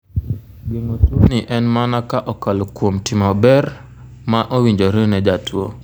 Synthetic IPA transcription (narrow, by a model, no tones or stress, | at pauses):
ɡeŋotwonɪʔɛnmanakaʔɔkalokwomtɪmɔbɛr | maʔowiɲd͡ʒoɾenɛd͡ʒatwo̰